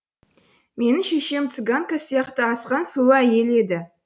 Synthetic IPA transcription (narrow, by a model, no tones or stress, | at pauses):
me̞nɪŋʃeʃemt̪sɨɡaŋkasəjɑqt̪əɑsqɑnsulˠəæje̞le̞d̪ɪ